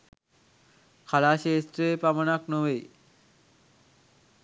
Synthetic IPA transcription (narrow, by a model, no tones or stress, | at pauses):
kʰalaːʃeːsʈɾeepamənaknoʋe